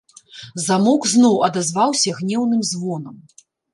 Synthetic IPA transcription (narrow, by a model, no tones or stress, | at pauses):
zamɔkznɔwɐd̪azvawsʲɐɣnʲɛwnɨmzvɔnɐm